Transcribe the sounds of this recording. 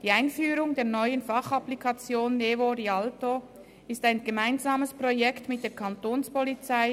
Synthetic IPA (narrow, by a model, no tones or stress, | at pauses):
d̥iːaɪnfyːɾʊŋdeːɐnɔʏənfɑχaplikʰɑt͡sjoːnːevoɾialto | ɪstaɪnɡəmaɪnzaːməspʁ̥ojɛktmɪt̚d̥eːɐkʰantoːnspolit͡saɪ